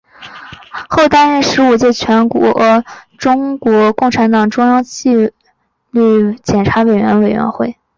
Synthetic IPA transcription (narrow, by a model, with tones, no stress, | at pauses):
xo˥˩ʊt̪a˥nɻə˥˩nʂɻ̩˧˥u˨˩t͡ɕjɛ˥˩t͡ɕʰɥɛ˧˥nkwɔ˧˥ʈ͡ʂʊ˥ŋkwɔ˧˥kʊ˥˩ŋʈ͡ʂʰa˧˥nt̪ɑ˨˩ŋʈ͡ʂʊ˥ŋjɑ˥ŋt͡ɕi˥˧ | ly˥˩t͡ɕjɛ˨˩nʈ͡ʂʰa˧˥we˨˩ɪɥɛ̰˧˥nwe˨˩ɪɥɛ̰˧˥nxwe˥˩ɪ